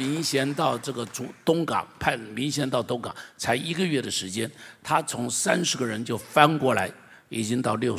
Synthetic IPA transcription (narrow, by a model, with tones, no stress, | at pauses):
i˧˥ŋɕjɛ˧˥nt̪ɑ˥˧ʊʈ͡ʂɤ˥˩ɡə˩ʈ͡ʂu˧˥t̪ʊ˥ŋkɑ̰˨˩˦ŋpʰa˥˩nmi˧˥ŋɕjɛ˧˥nt̪ɑ˥˩ʊt̪ʊ˥ŋkɑ̰˨˩˦ŋt͡sʰa˧˥ɪi˧˥ɡə˧ɥɛ˥˩d̪ə˩ʂɻ̩˧˥t͡ɕjɛ˥nt̪ʰa˥t͡sʰʊ˧˥ŋsa˥nʂɻ̩˧˥ɡə˧ɻə˧˥nt͡ɕjo˥˩ʊfa˥nkwɔ˥˩la˧˥ɪ | i˨˩t͡ɕi˥ŋt̪ɑ˥˧ʊljo˥˩ʊ